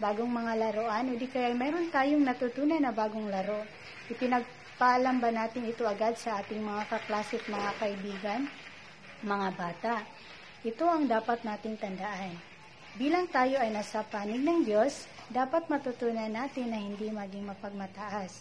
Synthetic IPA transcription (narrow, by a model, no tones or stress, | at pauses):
baːɡoŋmɐŋalɐɾoʔanʔod̪ɪkɐjajmɛːɾo̞nt̪aːjoŋnɐt̪ut̪uːnɐjnɐbaːɡoŋlɐɾo̞ | ʔɪpɪnɐɡ̚ | pɐʔɐlambanaːt̪ɪŋɪt̪o̞ʔɐɡad̪sɐʔaːt̪ɪŋmɐŋakɐklaːsɪt̪mɐŋakɐʔɪbiːɡɐn | mɐŋabaːt̪aʔ | ʔɪt̪o̞ʔɐŋd̪aːpɐt̪̚naːt̪ɪŋt̪ɐnd̪ɐʔan | biːlɐŋt̪aːjo̞ʔɐjnasɐpaːnɪɡ̚nɐŋd̪jo̞s | d̪aːpɐt̪̚mɐt̪ut̪unɐnaːt̪ɪnːɐhɪnd̪imɐɡɪŋmɐpɐɡ̚mɐt̪ɐʔas